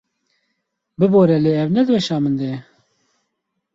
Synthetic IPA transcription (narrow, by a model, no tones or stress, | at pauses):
bɨboːɾɛleːɛwnɛd̪ɨwɛʃaːmɨnd̪e